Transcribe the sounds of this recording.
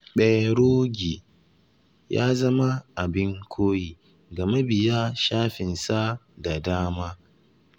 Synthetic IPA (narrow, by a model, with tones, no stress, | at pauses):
ɓɛ˦˨ɾoː˦ɡʲi˨ | ja̰ː˦zɐ˦ma˦ʔa˨bɪ˦ŋkʷʰoː˦jiː˨ | ɡɐ˨me˦bɪ˨ja˦ʃaː˦ɸɪ˨nsa˦da˨daː˦maː˦